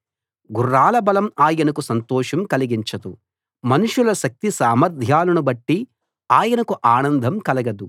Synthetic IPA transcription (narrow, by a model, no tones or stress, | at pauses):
ɡurːaːlɐbɐlɐmaːjɐnɐkusɐnt̪ɔːʂɐmkɐliɡiɲt͡ʃɐd̪u | mɐnuʂulɐʃɐk̚t̪isaːmɐɾd̪ʱjaːlɐnubɐʈːi | aːjɐnɐkuʔaːnɐnd̪ʱɐmkɐlɐɡɐd̪u